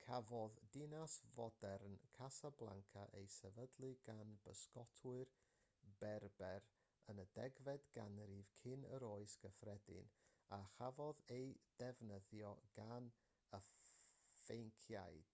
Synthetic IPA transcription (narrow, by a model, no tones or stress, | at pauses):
kʰavɔðdɪnasvɔdɛrnkʰasablˠa̰ŋkʰaʔejsɛvədlˠɨɡanbəskɔtʰwʊɨr | bɛrbɛɾ | ənədɛɡvɛdɡ̥anɾivkʰɪnə̰ɾoɨsɡ̥əfrɛdɪ̰naχavɔðejd̥ɛvnəðjɔɡ̥an | ə | fejŋkʰjajd̥